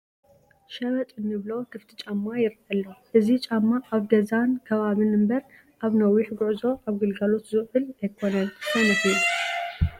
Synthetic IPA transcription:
ʃɐβɐt̪ʼɨnːɨβlo̞kʰɨft̪ʰit͡ʃʼamːajɪɾʔɐlːoʔɨzit͡ʃʼamːaʔaβɡɐzankʰɐβaβɨnɨmbɐɾ | ʔaβnɐwːiħɡʊʕzo̞ʔaβɡɨlɡalo̞t̪zɨʕɨlɐjkʰonɐnmɐnɐxji

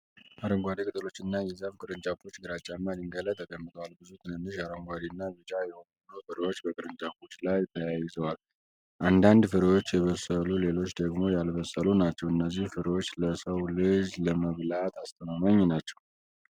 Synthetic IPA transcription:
ʔaɾəŋɡʷad̪ikʼɨt̪ʼɨlo̞t͡ʃːɪnːajɛzafkʼɨɾɨnt͡ʃʼafot͡ʃːɡɨɾat͡ʃʼːamːadiŋɡələt̪ʰəɡəmːɨt̪ʼəwalbɨzut̪ʰɨnɨnːɨʃaɾəŋɡʷad̪iɨnːaβɨd͡ʒajɛhonəlufɨɾwot͡ʃːbəkʼɨɾɨnt͡ʃʼafot͡ʃːlajt̪ʰəjajɪzəwal | ʔand̪and̪fɨɾwot͡ʃːjɛβəsəlule̞lo̞t͡ʃːd̪əɡmo̞jalβəsːəlunat͡ʃːɛwɨnːəzːihfɨɾwo̞t͡ʃːləsəwlɨd͡ʒləməβlat̪ʰast̪ʰəmamaɲːnat͡ʃːɛw

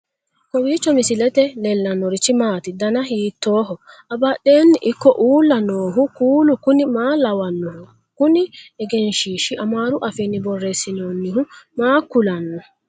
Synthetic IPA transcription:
kɔwiːt͡ʃːɔmɪsɪlɛt̪ɛlɛlːɐnːɔɾɪt͡ʃːɪmaːt̪ɪd̪ɐnɐɦiːt̪ːo̞ːɦɔɐbɐɗeːnːɪʔɪkːɔʔuːlːɐnoːɦʊkuːlʊkʊnɪmaːlɐwɐnːɔhʊ | kʊnɪɛɡɛnʃiːʃɪʔɐmaːɾʊʔɐfɛnːɪbɔrːesːɪnoːnːɪhʊmaːkːʊlɐnːɔ

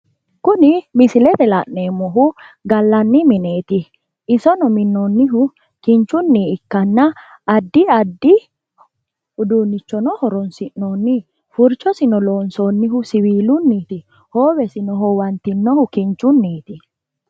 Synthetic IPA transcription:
kʊnɪmɪsɪlɛt̪ɛlɐ̰ʔneːmːɔɦʊɡɐlːɐnːɪmɪneːt̪ɪ | ɪsɔnɔmɪnːonːɪɦʊ | kɪnt͡ʃːʊnːiːɪkːɐnːɐː | d̪ːɪɐd̪ːɪ | ʊd̪unːɪt͡ʃːɔnɔhɔɾɔnsɪʔnoːnːɪ | fʊɾt͡ʃːɔsɪnɔloːnsonːɪɦʊsɪwiːlʊnːiːt̪ɪ | hoːwɛsɪnɔɦɔwɐnt̪ɪnːɔhʊkɪnt͡ʃːʊnːiːt̪ɪ

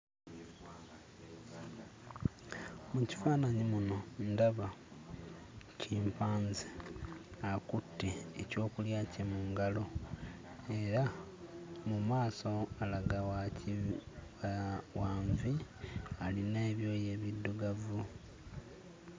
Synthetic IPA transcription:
muci̥faːnaɲimuno̞ndaβa | ciːmpaːnze | akutːiḛco̞ːkuljaːcemuːŋɡalo̞ | e̞ɾa | mumaːso̞alaɡawaci | waːɱvialine̞ːβjo̞ːje̞ːβidːuɡavu

